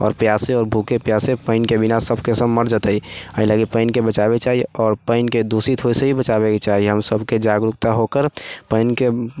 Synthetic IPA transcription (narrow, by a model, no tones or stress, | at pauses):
ɔ̰ːɾpjasẽɔːɾbʱukepjasẽpəɪnkebinasəbʱkesəmːəɾd͡ʒət̪əiəɦĩləɡipəɪnkebət͡ʃabet͡ʃaːɦiɔːɾpəɪnked̪usit̪ʰɦoiseɦibət͡ʃabekt͡ʃaɦiɦəmsəbʱked͡ʒaɡɾukt̪aɦokəɾpəɪnke